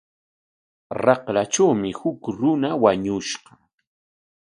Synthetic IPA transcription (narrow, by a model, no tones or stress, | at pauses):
ɾɑqlat͡ʃawmɪhʊkɾʊnawaɲʊʃqɑ̥